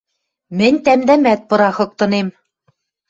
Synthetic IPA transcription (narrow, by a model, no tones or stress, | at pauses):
mɘ̆nʲt̪æmd̪æmæt̪̚pɤ̆ɾɑxɤ̆k̚t̪ɤ̆nem